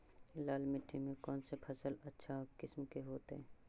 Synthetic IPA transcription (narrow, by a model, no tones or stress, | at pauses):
laːlmɪʈʰːimẽkɔːnsepʰɐsəlɐtːʃʰakɪsmkeɦoːt̪ɦɛː